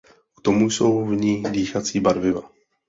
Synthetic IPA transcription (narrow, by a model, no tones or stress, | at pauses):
ʔu̥t̪omujso̞wvɲiːdiːxat͡siːbaɾvɪva̰